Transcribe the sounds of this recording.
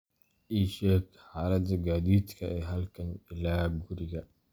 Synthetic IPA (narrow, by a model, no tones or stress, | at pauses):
ʔiːʃɛːɡ | ħaːlɐd̪ɐɡaːðiːd̪kʰɐʔɛːɦɐlkʰɐnɪlaːɡʊɾɪɣɐ